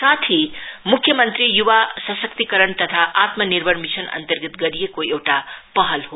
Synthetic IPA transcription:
sat̪ʰimukʰːjʌmʌnt̪ɾijubasʌsʌkt̪ikʌɾəɳt̪ʌt̪ʰaʔat̪mʌniɾbʱʌnmisʰʌnʌ̰nt̪ʌrɡit̪ɡʌɾijekoewʈapʌɦʌlɦo

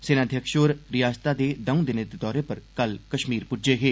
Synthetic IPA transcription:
sɪnaːd̪ʱjəkʃoːɾɾɪjaːst̪aːd̪eːd̪əũd̪ɪnɪt̪t̪ɔːɾeːpəɾkəlkəʃmiːɾpʊd͡ʒeːɦeː

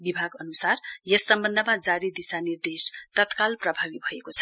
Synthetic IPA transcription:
bibʱaɡʌnusarjʌsʌmbʌnd̪ʱəmad͡zaɾid̪isanird̪est̪ʌt̪kalprʌbʱabibʱʌekot͡sʰʌ̥

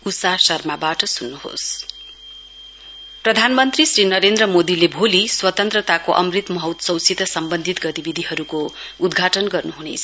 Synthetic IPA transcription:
usasʌrmabaʈʌsunːuho̰s | prʌd̪ʱanmʌnt̪risrinʌɾend̪rʌmod̪ilebʱoliswʌt̪ʌnt̪rʌt̪akoʔʌ̰mrit̪mʌɦʌt̪sʌwt͡sʰit̪ʌsʌmbʌnd̪ʱit̪ɡʌt̪ibid̪ʱiɦʌɾuko | ud̪ɡʱaʈʌnɡʌrnuɦunḛt͡sʰʌ

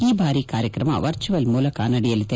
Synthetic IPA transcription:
iːbʱaːɾikaːɾjɐkɪɾɐma̰ʋɐɾt͡ʃɯʋɐlmuːlɐkaːnɐɽɪjɐlt̪ːɐ

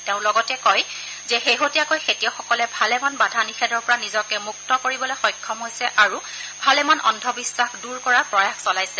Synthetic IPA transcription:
tɛʊ̃lɔɡɔtɛkɔj | zɛxeɦotijakojxetijɔxɔkɔlɛbʱalɛmanbadʱanixɛdɔɹpɔɹanizɔkɛmuk̚tɔkoɹibɔlojxɔjkʰːɔmɦojsɛʔaɹu | bʱalɛmanʔɔ̰ndʱɔbisːaxduɹkɔɹaɹpɹɔjaxsɔlajsɛ

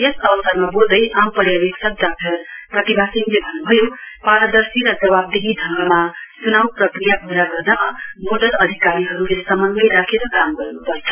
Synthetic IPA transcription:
esʌbʌsaɾmabold̪ʌjʔampʌɾjabeksʌk̚dak̚ʈʰʌprʌt̪ibʱasinlebʱʌnːubʱʌjopaɾʌd̪ʌɾsiɾʌd͡zʌβab̚d̪eɦid̪ʱʌŋɡʌmasunawprʌkɾijabʱuɾaɡʌɾdamoɖʌlʌd̪ʱikaɾiɦʌɾulesʌmʌŋɡʌjɾakʰeɾʌkamɡʌɾnupʌɾt͡sʰʌ̥

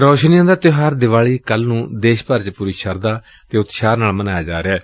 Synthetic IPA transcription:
ɾoːʃnɪjãːd̪aːt̪ɪɦaːɾd̪ɪʋaːɭiːkəlnũːd̪eːʃpəɾt͡ʃpuːɾiːʃəɾd̪aː | t̪eːʊt̪ʃaːɾnaːlmənaːjaːd͡ʒaːɾeɛː

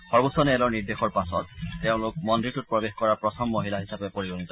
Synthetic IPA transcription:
xɔɹbusɔnɛlɔɹniɹdexɔɹpasɔtːeʊ̃lʊkmɔndɹitut̚pɹɔbexkɔɹapɹɔtʰɔmːoɦilaɦisapepoɹiɹɔŋit̪ɔ

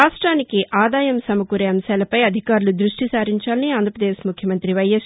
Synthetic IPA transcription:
aːʂʈɾaːnikiʔaːd̪aːjɐmsɐmɐkuɾeːɐmsaːlɐpɐjɐd̪ʱikaːɾulud̪ɾuʂʈisaːɾiɲt͡ʃaːlɐniaːnd̪ɾɐpɾɐd̪eːʃmukʰjɐmɐnt̪ɾiʋɐjes

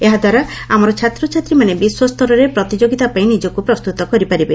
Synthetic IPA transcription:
eɦad̪waɾaamɔɾɔt͡ʃʰat̪ɾɔt͡ʃʰat̪ɾimanebiswɔst̪ʰɔɾɔɾepɾɔt̪id͡ʒoɡit̪apaĩnid͡ʒɔkupɾɔst̪ut̪ɔkɔɾipaɾibe

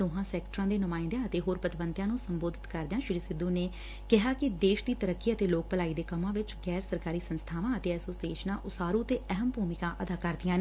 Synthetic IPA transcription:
t̪oːɦãːsɛːkʈəɾãːd̪eːnʊmaːɪ̃nd̪jaːət̪eːɦoːɾpət̪ɪʋənt̪jãːnũːsəmboːd̪ʱɪt̪kəɾd̪ɪjaːʃɪɾiːsɪd̪ũːneː | kɪɦaːkɪd̪eːʃd̪iːt̪əɾəkːiːət̪eːloːk̚pəlaːiːd̪eːkəmãːʋɪt͡ʃɡɛːɾsəɾkaːɾiːsənst̪ʰaːʋãːət̪eːɛːsoːsieːʃnãːʔʊsaːɾũːət̪eːəɦəmbʱuːmɪkãːʔəd̪aːkəɾd̪ɪjãːneː

